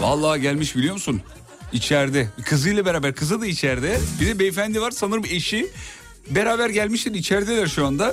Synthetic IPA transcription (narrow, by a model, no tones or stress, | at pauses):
va̰lˠːaːɟælʲmiʃbilʲijo̞musun | it͡ʃʰæɾd̪ɛbikʰɯzɯjlˠabe̞ɾaːbæɾkʰɯzɯd̪ait͡ʃʰæɾd̪ɛbid̪ɛbiefænd̪ivaɾsanɯɾɯme̞ʃi | beɾaːbæɾɟælʲmiʃlʲɛɾit͡ʃʰæɾd̪elʲæɾʃuand̪a